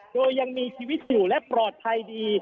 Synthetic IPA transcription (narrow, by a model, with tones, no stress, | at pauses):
doː˧jːa˧ŋmiː˧t͡ɕʰiː˧wi˦˥t̪̚juː˨˩lɛ˦˥ʔpɾɔː˨˩t̪̚pʰa˧jdiː˧